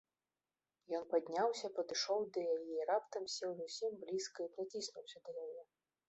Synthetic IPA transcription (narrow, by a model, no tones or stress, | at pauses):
jɔnpad̪ʲnʲawsʲɐpɐd̪ɨʂɔwd̪ɐjajɛɾapt̪ɐmsʲɛwzusʲimblʲiskɐipɾat͡sʲisnuwsʲɐd̪ɐjajɛ